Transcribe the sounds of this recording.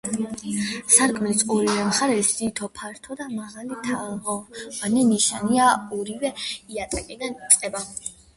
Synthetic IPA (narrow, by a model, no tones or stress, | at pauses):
saɾkʼmɛsʼɔɾivɛmχaɾɛsit̪ʰɔpʰaɾt̪ʰɔd̪amaʁalit̪ʰaʁɔanɛniʃaniaɔɾivɛiat̪ʼɛkʼid̪anit̪sʼqʼɛba